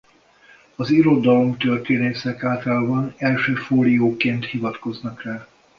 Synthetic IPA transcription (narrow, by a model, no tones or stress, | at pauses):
ɒziɾo̞d̪ɒlomt̪ørt̪eːneːsɛkaːlt̪albɒnɛlʃøːfoːlijoːkeːnt̪hivɒt̪ko̞znɒkrɛ